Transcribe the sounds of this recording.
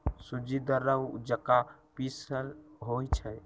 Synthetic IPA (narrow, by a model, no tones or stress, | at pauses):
sud͡ʒid̪əɾəwd͡ʒəkapisəlɦojt͡ʃʰɛ